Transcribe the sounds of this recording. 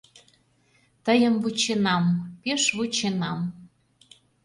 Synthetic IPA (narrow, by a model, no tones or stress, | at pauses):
t̪əjəmvut͡ɕenɑmpeʃβut͡ɕenɑm